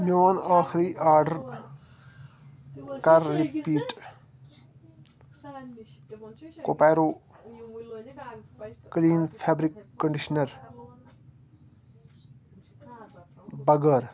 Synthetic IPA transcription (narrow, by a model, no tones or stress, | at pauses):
noːnaːxɾiːʔaːɾɖəɾ | kɐɾːipiːʈ | kopɛːɾoː | kliːnpʰɛːbɾɪkːəɳɖɪʃnəɾ | bɐɡəɾ